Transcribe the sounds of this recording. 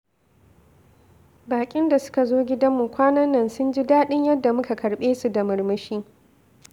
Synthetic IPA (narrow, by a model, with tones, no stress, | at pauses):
baː˨kʲʼɪ˦nda˨sʊ̥˦ka˨zoː˦ɡʲɪ˦dɐ˦mːu˨kʷaː˦nɐ˦nːɐ˨nsʊ˦nd͡ʒi˦daː˦ɗɪ˦ɲjɐ˦dːa˨mʊ˦ka˨kʰɐ˨ɽɓeː˦su˨da˨mɐ˨ɽmɐ˦ʃiː˦